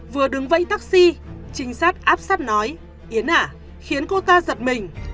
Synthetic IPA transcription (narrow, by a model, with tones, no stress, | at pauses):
vɨ˨˩əɗɨ˨˦ŋvə̰˧˨jt̪aː˦˥k̚si˧t͡ɕï˨˦ŋ̟saː˦˥t̚ʔaː˦˥p̚saː˦˥t̚nɔ˨˦j | ʔi˨˦ənʔaː˧˩ | xi˨˦ənko˧t̪aː˧zə˨˩t̚mï˨˩ŋ̟